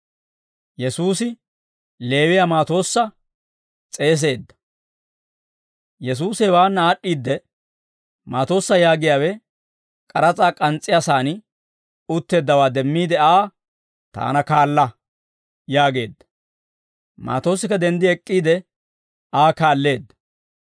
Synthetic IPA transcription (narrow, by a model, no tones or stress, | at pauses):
jɛsuːsɪ | le̞ːwɪjamaːt̪o̞ːsːɐ | t͡sʼe̞ːs̬e̞ːd̪ːɐ̥ | jɛs̬uːsɛwaːnːaːɗːiːd̪ːɛ | ma̰ːt̪o̞ːsːɐjaːɡɪjaːwɛ | kʼɐɾɐt͡sʼaːkʼɐnt͡sʼːɪjaːsaːnɪ | ʊt̪ːe̞ːd̪ːɐwaːd̪ɛmːiːd̪ɛaː | t̪a̰ːnɐkaːlːɐ | jaːɡe̞ːd̪ːɐ̥ | ma̰ːt̪o̞ːsːɪkːɐd̪ɛnd̪ɪɛkʼːiːd̪ɛ | aːkaːlːe̞ːd̪ːɐ̥